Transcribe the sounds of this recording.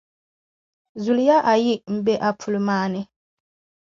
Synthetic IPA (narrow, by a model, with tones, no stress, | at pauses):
zu˨lja˦ʔa˨ji˦˨ʔ̚m̩˨be˦ʔa˨pʰu˨lmaː˦nɛ˦